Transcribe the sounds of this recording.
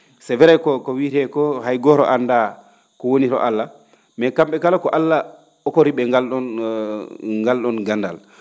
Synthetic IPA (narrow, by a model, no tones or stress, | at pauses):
sɛvɛɾajkɔkɔwiɾɛkɔhajɡɔɾɔ̰ʔanda | kɔwoniɾɔ̰ʔalːa | mɛkamɓɛkalakɔʔalːa | ɔkoɾiɓɛŋɡalɗɔn | ŋɡalɗɔnɡanda̰l